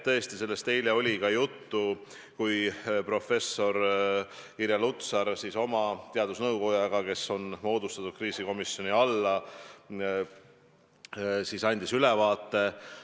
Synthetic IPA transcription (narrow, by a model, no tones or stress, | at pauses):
t̪ɤ̞est̪ise̞lːe̞st̪e̞jleo̞lʲikɑjut̪ːu | kujpro̞fe̞sːo̞ɾ | kiɾjɑlut̪sɑɾsiso̞mɑt̪e̞ɑd̪usnɤwko̞jɑɡ̥ɑke̞so̞nmo̞ːd̪̥ust̪ɑt̪ːˑud̪̥̚kriːsiko̞misjo̞niɑlːɑ | sisɑnʲd̪̥isylɛvɑːt̪ːe̞